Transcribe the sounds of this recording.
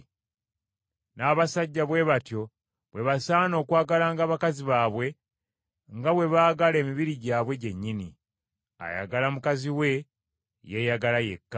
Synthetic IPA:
naːβasaɟːaβwe̞βatjo̞ | βwe̞βasaːno̞ːkwaːɡalaːŋɡaːβakaziβaːβwe̞ | ŋɡaβwe̞βaːɡale̞ːmiβiɾiɟaːβwe̞ɟe̞ɲːini | a̰ja̰ɡalamukaziwe̞ | jejaɡalaje̞̰kːa

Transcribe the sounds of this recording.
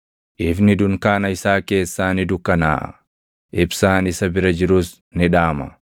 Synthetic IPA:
ʔɪfnɪd̪ʊŋkaːnɐɪsaːke̞ːsːaːnɪd̪ʊkːɐna̰ːʔɐ̰ | ʔɪbsaːnɪsɐbɪɾɐd͡ʒɪɾʊːs | nɪᶑaːmɐ̰

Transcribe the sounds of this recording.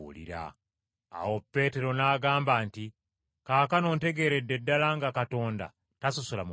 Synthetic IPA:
ṵlḭɾa̰ | a̰wo̞pːe̞ːte̞ɾo̞naːɡaːmbaːnti | kaːkano̞ːnte̞ɡe̞ːɾedːe̞dːalaŋɡakato̞ːnda̰ | tasusulam

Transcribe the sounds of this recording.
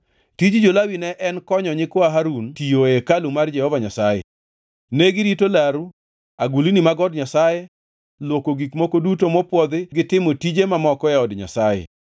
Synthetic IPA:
tid͡ʒd͡ʒolawinɛʔɛnkɔɲɔɲɪkɔaɦaɾuntijoekalumard͡ʒɛhɔvaɲasajɛ̰ | neɡɪɾitolaɾu | aɡulinimaɡɔdɲasaje | lwokoɡikmokodutomɔpwɔd̪ɪɡɪtɪmotid͡ʒemamɔkɔɛɔdɲa̰sajɛ̰

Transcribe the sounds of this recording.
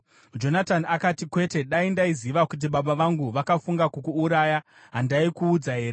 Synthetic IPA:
d͡ʒo̞natanakatikwe̞te̞ɗaindaiziʋakut̬iɓaɓaʋaŋɡuʋakafuŋɡakukuːɾaːja | ɦandaikuːd͡zaɦe̞ːɾe

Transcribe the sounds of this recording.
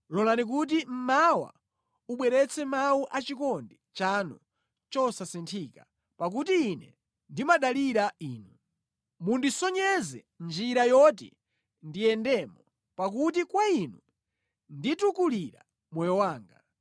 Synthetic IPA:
lɔlanik̬ut̬im̩mawa̰ | uɓwɛɾɛt͡sɛmawuʔat͡ʃikɔndit͡ʃanṵ | t͡ʃɔsasintʰiːka | pak̬utiːnɛ̰ | ndimaɗaliɾaiːnu | mundisɔɲɛzɛ | nd͡ʒiɾajɔtḭ | ndijɛndɛmɔ | pak̬ut̬ikwainu | nditukuliɾa̰ | mwɛjɔwaːŋɡa̰

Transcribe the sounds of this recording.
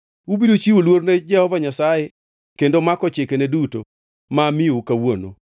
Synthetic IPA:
ubidot͡ʃiwulworned͡ʒɛhɔvaɲasaje | kkendomakɔt͡ʃekeneduto | mamɪukawono̰

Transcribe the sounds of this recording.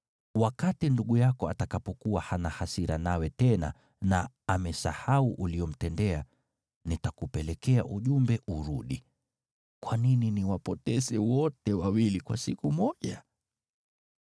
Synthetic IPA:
wakatinduɠujakɔatakapɔkuwahanahasiɾa̰nawɛtɛna̰ | naː | mɛsa̰hauʔuliɔm̩tɛndɛa | nitakupɛlɛkɛa̰ʔuʄumbɛʔuɾuɗi | kwanininiwapɔtɛsɛwɔtɛwawilikwasikumɔʄa

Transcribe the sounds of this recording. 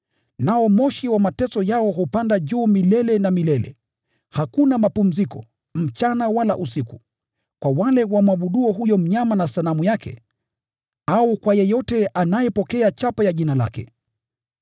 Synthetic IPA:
naɔmɔʃiwamatɛsɔjaɔɦupandaʄuːmilɛlɛnamilɛlɛ̰ | hakunamapum̩zikɔ̰ | m̩t͡ʃanawala̰ʔusiku | kwawalɛwamaɓuɗuɔɦujɔm̩ɲamanasalamujakɛ̰ | aukwajɛjɔtɛʔanajɛpɔkɛat͡ʃapajaʄinala̰kɛ̰

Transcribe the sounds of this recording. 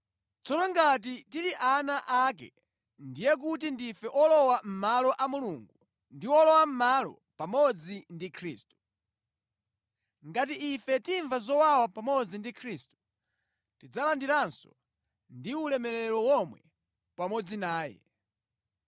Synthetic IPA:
t͡sɔnɔŋɡat̬itiliʔanaʔak̬ɛ̰ | ndijɛk̬utindifɛʔɔlɔwam̩malɔʔamuluŋɡu | ndiwɔlɔwam̩malɔ̰ | pamɔd͡zindikʰɾḭːstu̥ | ŋɡat̬iʔːfɛtiɱvazɔwawapamɔd͡zindikʰɾistu̥ | tid͡zalandiɾansɔ̥̰ | ndiulɛmɛlɛɾɔwɔmwɛ̰ | pamɔd͡zinaːjɛ̰

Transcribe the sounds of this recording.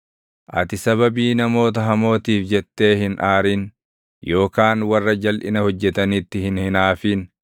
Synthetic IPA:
ʔɐ̰t̪ɪsɐβɐbiːnɐmo̞ːt̪̬ɐɦɐmo̞ːt̪iːfd͡ʒɛt̪ːe̞ːhɪnʔaːɾiːn | jo̞ːkaːnwɐrːɐd͡ʒɐlʔɪ̰nɐhɔd͡ʒːɛt̪ɐnɪt̪ːɪhɪnhɪnaːfiːn

